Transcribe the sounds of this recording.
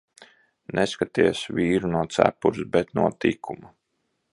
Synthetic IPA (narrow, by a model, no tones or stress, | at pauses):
nʔeskat̪iɛsvʲiːɾunuɔt̪sæ̰puɾsbɛt̪nuɔt̪ikʰuma